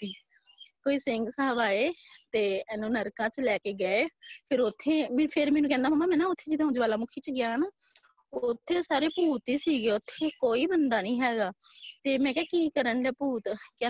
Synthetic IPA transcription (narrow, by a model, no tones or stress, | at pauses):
iː | koːiːsɪŋɡsaːʋaːeːt̪eːɛːnũːnəɾkãːt͡ʃlɛːkeːɡəeːpʰɪɾot̪ʰːeːmːpʰɪɾmɛːnũːkɛ̃ːnd̪aːmaːmːãːmɛ̃ːnãːʊt̪ʰːeːd͡ʒɪd̪ɦʊ̃ːd͡ʒʋaːlaːmʊkʰiːt͡ʃɡɪjaːnaː | t̪ʰːeːsaːɾeːpuːt̪iːsiːɡeːʊt̪ʰːeːkoːiːbənd̪aːnĩːɦɛːɡaːt̪eːmɛ̃ːkɛːkiːkəɾəɳlɛːpuːt̪kɛ̃ː